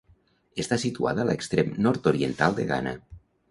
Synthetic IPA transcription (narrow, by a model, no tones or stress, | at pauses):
est̪asit̪ua̰ðəːlekst̪ɾemnɔɾt̪oɾient̪alˠd̪eɣa̰nə̰